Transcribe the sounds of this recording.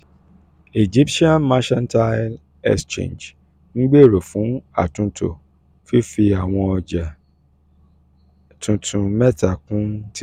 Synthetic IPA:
e˨d͡ʒi˦pʃi˦ã˦nma˦ʃɛ̃˦nta˦l | ɛ̰˦st͡ʃḛ̃˨nd͡ʒ | nĩ˦ɡ͡be˦˨ɾo˨fũ˨˦a̰˦˨tũ˧tʰo̰˨ | fi˦fi˧a˨w̃ɔ̃˧ɔ˨d͡ʒa˨ | tʰũ˧tʰũ˧mɛ˦ta˦˨kũ˦t

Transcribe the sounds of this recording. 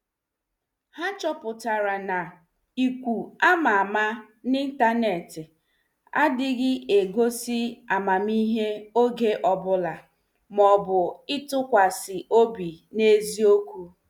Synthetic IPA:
ha˦t͡ʃɔ˦pʊ˨ta˨ɾa˨na˨ | i˨kʷu˨a˦ma˨a˨ma˦ | ni˦n̩˦ta˦ne˨tɪ˨ | a̰˦dɪ˦ɣɪ˦ʔe˨ɡo˦si˦a˨ma˨mi˦ɦe˦o˦ɡe˦ʔɔ˨bʊ˦la˨ | mɔ˨bʊ˨ɪ˦tʊ˦kʷa˨sɪ˨o˦bi˨ne˦zi˦o˦kʷu˦

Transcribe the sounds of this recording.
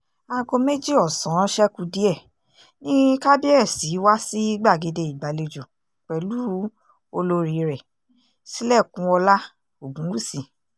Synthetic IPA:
a˧ɡo˧me˦d͡ʒi˦ɔ˨sã˨˦ʃɛ˦ku˧di˦ɛ˦˨ | nĩ˦ka˦bi˦ɛ˦˨si˨˦wa˦si˦ɡ͡ba˦˨ɡe˨˧de˧i˨ɡ͡ba˨le˧d͡ʒu˨ | k͡pɛ˨lu˨˦ | o˧lo˧ɾi˧ɾɛ˨ | si˦lɛ˦˨kũ˨˧˦ɔ˧la˦ | o˨ɡũ˨˦wu˦˨si˨

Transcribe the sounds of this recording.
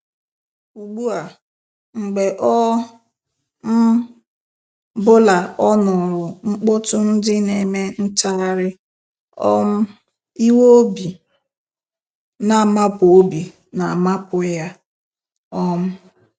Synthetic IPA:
u˨ɡ͡bu˦a˨ | ŋ͡m̩˨ɡ͡be˨ʔɔ˦ | m̩˦ | bʊ˦la˨ɔ˦nʊ˨ɾʊ˨ŋ͡m̩˦k͡pʊ˦tʊ˦n̩˦dɪ˦ne˨me˦n̩˦ta˦ɾɪ˦ | ɔ̰˦m̩˦ | i˦wo˦o˦bi˨ | na˨ma˦po˦bi˨ | na˨ma˦pʊ˨ja˦ | ɔ˦m̩˦

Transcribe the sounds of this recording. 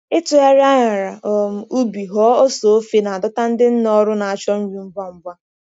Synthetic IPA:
ɪ˦tʊ˨ja˦ɾa˦ɲa˨ɾa˨ʔɔ˨m̩˦u˦bi˨ɦɔ˦o˦so˨o˦fe˦na˨a˨dʊ˦ta˦n̩˦dɪ˦n̩˦nɔ˦ɾʊ˦na˨a˨t͡ʃɔ˦m̩˦ɾi˨m̩˦bʷa˦m̩˦bʷa˦

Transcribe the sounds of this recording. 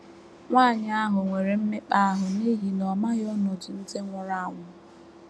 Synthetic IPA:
ŋʷaː˦˨ɲɪ˦a˦ɦʊ˨ŋʷe˨ɾe˨m̩˦me˦k͡pa˦a˦ɦʊ˨ne˦ɦi˨nɔ˨ma˦ɣɔ˦nɔ˨d͡ʒɪ˨n̩˦te˦ŋʷʊ˨ɾa˦a˨ŋʷʊ˨

